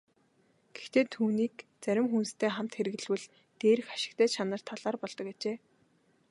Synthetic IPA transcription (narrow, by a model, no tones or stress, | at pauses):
ɡ̥e̥xt̪eːt̪ʰuːniːkt͡sæɾʲɪ̆mxunst̪ʰeːχam̥t̪xeɾɘ̆ɣɘ̆ɮwɘ̆ɮ | t̪eːɾɘ̆xḁʃɪ̥̆kt̪ʰæːt͡ɕʰanə̆r̥t̪ʰaɮ̥aːrpɔɮt̪ɞ̆ket͡ɕeː